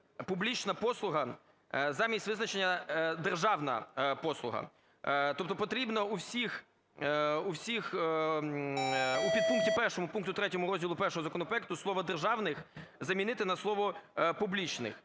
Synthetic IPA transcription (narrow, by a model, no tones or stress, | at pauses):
publʲit͡ʃnɐpɔslˠʊɦɐ | zɑmʲisʲtʲʋɪznɐt͡ʃenʲːɐd̪erʒɑwnɐ̰pɔslˠʊ̰ɦɐ̰ | t̪ɔp̚t̪ɔpɔt̪ɾʲibnɔuwsʲix | uwsʲix | upʲid̪̚puŋktʲipɛrʃɔmʊpunkt̪ʊt̪ɾɛtʲɔmʊɾɔzʲdʲilˠʊpɛrʃɔɦɔzɐkɔnɔpɾɔɛk̚t̪ʊslˠɔʋɔd̪erʒɑwnɪxzɐmʲinɪt̪ɪnɐslˠɔʋɔpublʲit͡ʃnɪ̰x